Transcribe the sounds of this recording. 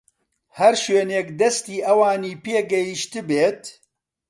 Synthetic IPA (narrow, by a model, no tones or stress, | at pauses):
hɐɾʃweːnekd̪ɛst̪iːʔɐwaːniːpeːɡɛjiʃt̪ɨbeːt̪